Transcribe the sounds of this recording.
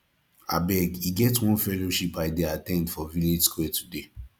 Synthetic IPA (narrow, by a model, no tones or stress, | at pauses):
a̰bɛɡiɡɛtwɔ̃nfɛloʃipaɪdɛatɛ̃ntfɔviled͡ʒskwɛtʰude